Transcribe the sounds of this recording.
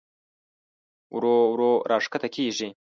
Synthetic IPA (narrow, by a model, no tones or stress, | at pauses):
wɾowɾoɾʔɑːʂkat̪akʰiːʐi